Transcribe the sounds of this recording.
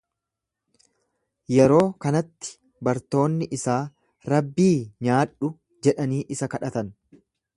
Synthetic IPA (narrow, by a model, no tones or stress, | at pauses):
jɛɾo̞ːkɐnɐt̪ːɪ̥ | bɐɾt̪o̞ːnːɪʔɪsaː | ɾɐbːiːɲaːᶑʊ | d͡ʒɛᶑɐniːʔɪsɐkɐᶑɐt̪ɐn